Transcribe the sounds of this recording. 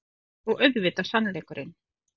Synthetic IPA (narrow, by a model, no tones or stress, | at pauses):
ɔɣœɥðvɪːt̪asanːleːjkʏɾʔɪn